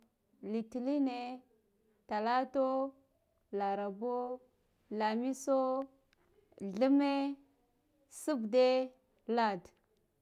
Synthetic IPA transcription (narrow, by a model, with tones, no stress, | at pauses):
li˨ti˨li˦ne˨ | ta˨la˦to˦ | la˨ɾa˨bo˦ | la˨mi˦so˦ | ɮə˦me˦ | su˦bde˦ | la˦˨d